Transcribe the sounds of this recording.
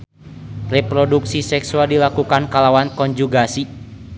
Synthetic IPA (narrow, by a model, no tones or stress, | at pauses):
repɾɔduksisɛksualdilakukankalawankɔɲd͡ʒuɡasi